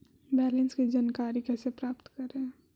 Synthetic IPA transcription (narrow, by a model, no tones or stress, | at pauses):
bɛːlɛnskid͡ʒaːnkaːɾikɛːsepɾaːpt̪kɐɾẽ